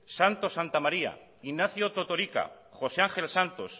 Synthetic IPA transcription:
sant̪o̞sant̪amaɾia̰ | inːaθjot̪ot̪oɾika̰ | xo̞seaŋxe̞lsant̪o̰s

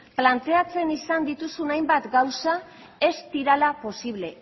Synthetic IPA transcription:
plant̪e̞at͡se̞nisand̪it̪usunajmbat̪ɡawsa | e̞st̪iɾalapo̞siβ̞le̞

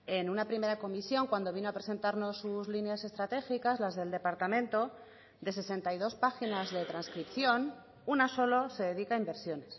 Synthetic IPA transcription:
e̞nunapɾime̞ɾako̞misjo̞ŋkwand̪o̞β̞ino̞apɾe̞se̞nt̪aɾno̞sːuzlinease̞st̪ɾat̪e̞xikazlazðe̞ld̪e̞paɾt̪amẽnt̪o̞ | d̪e̞se̞se̞nt̪ajðo̞spaxinazðe̞t̪ɾanskɾipθjo̞n | unaso̞lose̞ðe̞ðikaimbe̞ɾsjo̞ne̞s

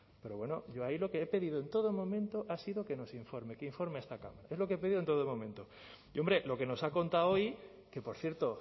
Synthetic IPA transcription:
pe̞ɾo̞βwe̞no̞̰ʝo̞ailo̞ke̞epe̞ðiðoent̪o̞ðomõ̞mẽnt̪o̞ʔasiðo̞ke̞no̞siɱfo̞ɾme̞keiɱfo̞ɾmeest̪aka̰maɾae̞zlo̞keepe̞ðiðont̪oomõ̞mẽ̞nt̪o̞ | iombɾe̞lo̞ke̞no̞sako̞nt̪awoj | ke̞po̞ɾθjeɾt̪o

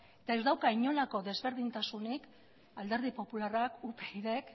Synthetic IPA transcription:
et̪ae̞zd̪awkaiɲo̞lako̞ðe̞zβe̞ɾð̞int̪asunik | ald̪e̞ɾð̞ipo̞pularakupeiðek

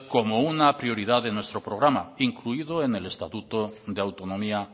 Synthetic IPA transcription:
komounapɾioɾið̞aðenwest̪ɾopɾoɣ̞ɾamaiŋkluiðoenelest̪at̪ut̪od̪eawt̪onõmia

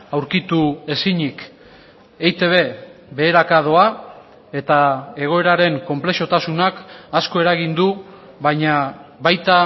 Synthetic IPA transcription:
awɾkit̪ue̞siɲik | ejt̪e̞β̞e̞βe̞ːɾakað̞o̞a | e̞t̪ae̞ɣ̞o̞e̞ɾaɾe̞ŋko̞mple̞ʃo̞t̪asunakasko̞e̞ɾaɣ̞ind̪u | βaɲaβajt̪a

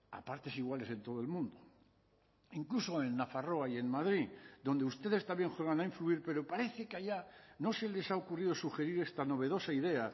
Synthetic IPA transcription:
a̰paɾt̪e̞siɣwale̞se̞nt̪o̞ð̞oe̞lmũnd̪o | iŋklusoenːafaro̞aje̞nmað̞ɾid̪o̞nd̪eust̪e̞ðe̞st̪ambje̞ŋxwe̞ɣanaĩɱfluiɾpe̞ɾo̞paɾe̞θekeaʎa | nosele̞saokuriðo̞suxe̞ɾiɾe̞st̪ano̞β̞e̞ð̞o̞saiðe̞a

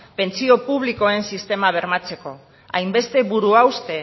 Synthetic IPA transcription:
pe̞nt͡sio̞puβ̞liko̞e̞nsist̪e̞maβ̞e̞ɾmat͡se̞ko̞ | ajmbe̞st̪e̞βuɾuawst̪e̞

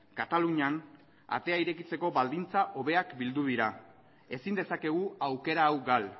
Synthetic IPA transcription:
kat̪aluɲan | a̰t̪e̞aiɾe̞kit͡se̞ko̞βald̪int͡saʔo̞βe̞akbild̪uðiɾa | e̞sind̪e̞sake̞ɣ̞uawke̞ɾaːwɡal

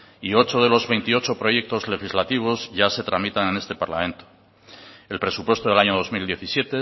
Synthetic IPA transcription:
io̞t͡ʃo̞ð̞e̞lo̞zβe̞jnt̪io̞t͡ʃo̞pɾo̞je̞k̚t̪o̞zle̞xizlat̪iβ̞o̞zʝase̞t̪ɾamit̪anẽne̞st̪e̞paɾla̰mẽ̞nt̪o̥ | e̞lpɾe̞supwe̞st̪o̞ðeaɲo̞ðo̞zmild̪jeθisje̞t̪e

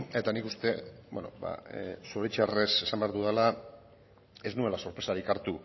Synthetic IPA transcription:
e̞t̪anikust̪e̞bo̰no̞̰ba̰suɾet͡ʃare̞se̞sambeaɾðuðela | e̞znue̞laso̞ɾpɾe̞saɾikaɾt̪u

